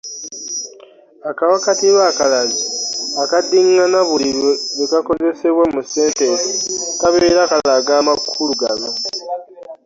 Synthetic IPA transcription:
akawakatiβaːkalaziakadiŋːanaβuliβeβekako̞ze̞se̞βwamuse̞ːntetikaβeɾakalaɡaːmakʰːuluɡa̰no

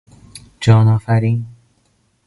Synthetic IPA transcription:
d͡ʒɒːnɒːfæɾiːn

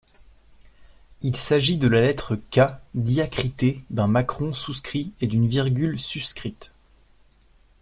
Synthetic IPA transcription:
ilsaʒid̪əlalɛt̪χəkad̪jakχit̪ed̪ɛ̃makχɔ̃suskχied̪ynviʁɡʲylsyskχit̪

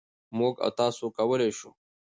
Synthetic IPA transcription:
moːɡa̰wt̪ɑːsokɐwəleʃu

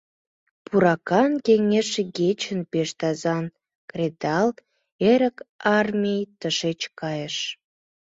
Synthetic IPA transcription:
pʰuɾɑkɑnkeŋeʃeɡet͡ɕənpeʃt̪ɑzɑn | krʲed̪ɑl | eɾə̆kɑrmʲijt̪əʃet͡ɕkɑjəʃ

